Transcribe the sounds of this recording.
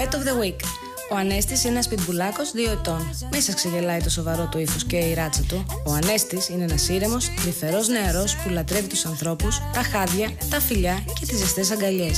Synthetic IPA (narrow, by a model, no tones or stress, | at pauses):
et̪ovðewik | o̞ɐne̞st̪isenɐspit̪bulɐko̞zðio̞e̞t̪o̞nmisɐskseðelɐit̪o̞so̞vɐɾo̞t̪oiθosceiɾɐt͡sɐt̪oːɐne̞st̪isineenɐsiɾe̞mo̞sðife̞ɾo̞zne̞ɐɾo̞spulɐt̪ɾe̞vit̪u̥sɐnθɾo̞pust̪ɐxɐðʝɐt̪ɐfiʎɐce̞t̪izest̪e̞s̬ɐŋɡɐʎe̞s